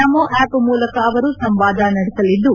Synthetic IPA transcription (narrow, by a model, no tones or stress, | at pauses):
ɐmoːʔaːpmuːlɐkɐːʋɐɾusɐmʋaːd̪ʱanɐɽɛsɐlid̪ːu